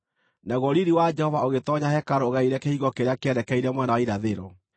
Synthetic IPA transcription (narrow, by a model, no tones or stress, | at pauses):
naɣɔɾiɾiwad͡ʒɛhɔvaoɣetɔɲahɛkaɾoɣaiɾɛkehiɣɔkeɾeakeɛdɛkaiɾɛmwɛnawaiɾaðeɾɔ